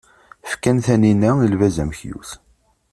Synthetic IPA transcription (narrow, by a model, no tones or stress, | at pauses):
fkænθæninæilvæzæmçjṵθ